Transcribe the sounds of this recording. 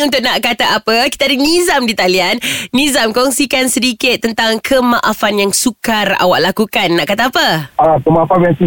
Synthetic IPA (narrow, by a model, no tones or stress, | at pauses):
unt̪ʊʔ̚naʔkat̪aʔapakit̪aadinizamdit̪alianːizamkɔŋsikansədikɪt̪ːənt̪aŋkʰəmaʔafanjaŋsukara̰wa̰ʔlakukanːaʔkat̪aapaakəmaafamjaŋsi